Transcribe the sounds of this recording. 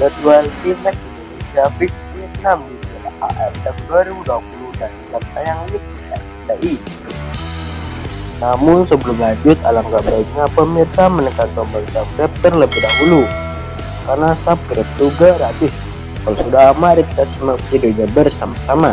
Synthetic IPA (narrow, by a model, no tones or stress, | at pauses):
ɾət̪ualinɛksindonesiabɪspiɛt̪̚namɡit̪alaa̰ʔɛfd̪akduaɾibuduapuludanlam̚t̪ajaŋlipiarkit̪aʔi | namʊnsəbəlʊmlad͡ʒʊt̪alaŋɡabaik̪̚ɲapəmirsamənəkant̪ambaŋsap̚ɡɾɛp̚t̪ərləbɪhdaɦulu | karnasap̚ɡɾɛp̚t̪uɡaɾat̪ɪs | kalsudamaɾik̚t̪asimaft̪idod͡ʒabərsamasama